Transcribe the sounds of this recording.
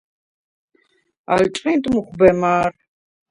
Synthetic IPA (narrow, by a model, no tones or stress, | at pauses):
a̰lt͡ʃʼqʼĩnt̪ʼmuχʷbɛmaːɾ